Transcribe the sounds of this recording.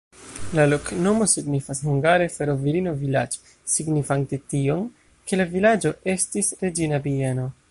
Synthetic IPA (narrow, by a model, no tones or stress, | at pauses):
lalo̞kno̞mo̞siɡnifashuŋɡaɾe̞fe̞ɾo̞viɾino̞vilad͡ʒo̥ | siɡnifante̞tio̞n | ke̞lavilad͡ʒo̞ʔe̞stisɾe̞d͡ʒinabieno̞